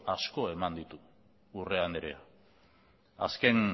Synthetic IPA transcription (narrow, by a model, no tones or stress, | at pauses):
asko̞e̞mand̪it̪uː | re̞aneɾe̞̰a | a̰ske̞n